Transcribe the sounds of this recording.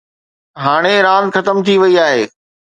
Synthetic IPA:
ɦaːɽ̃eɾãːnxɐt̪əmt̪ʰiʋɐiaːɦeː

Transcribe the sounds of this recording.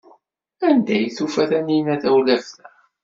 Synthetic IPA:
ænd̪æjθufæθæninæθæwlævθæ

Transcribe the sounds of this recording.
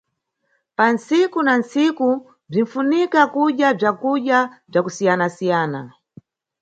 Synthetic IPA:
pansikunansiku | b͡ʐin̩funikakuɗjab͡ʐakuɗjab͡ʐakusijanasijaːna̰

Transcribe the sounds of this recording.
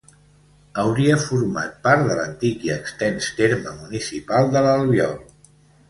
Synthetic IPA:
əwɾiəfuɾma̰t̪̚paɾt̪ðələ̰nt̪ikiəkst̪ɛnst̪eɾməmunisipalˠd̪ələlˠβjɔ̰lˠ

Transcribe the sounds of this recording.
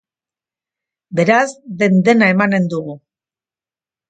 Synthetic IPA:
be̞ɾazde̞nd̪e̞nae̞mane̞nd̪uɣ̞u

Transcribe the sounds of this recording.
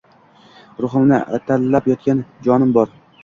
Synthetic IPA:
ɾʊχɨmnɪʔa̰t̪ʰalːapjɒt̪̚kʲand͡ʒɒnɪmbɒɾ

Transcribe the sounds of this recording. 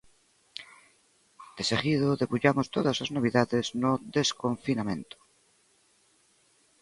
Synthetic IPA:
d̪̥eseɣiðoðeβuʎamost̪oðaslaznoβ̞iðaðeznoðeskoɱfinamẽ̞nt̪o̥

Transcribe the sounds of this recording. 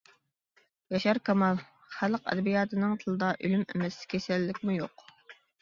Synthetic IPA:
jɑʃɑɾkʰɑmɑlˠ | χæləqɛ̰d̪ɛbijɑːt̪ʰɨnɨŋt̪ʰɨlˠɨd̪ɑʔylymḛmɛskʲʰesɛlːɪkʲmujoq

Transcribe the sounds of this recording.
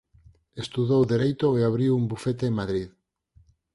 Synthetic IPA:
est̪uðowðeɾejt̪oeaβɾiwumbufet̪eemaðɾið

